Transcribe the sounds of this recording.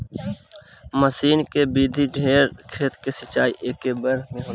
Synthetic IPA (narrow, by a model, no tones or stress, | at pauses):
məsiːnkebiːd̪ʱiɖʱeːɾkʰeːt̪kesət͡ʃaːiʔeːkːebəɾmẽɦoː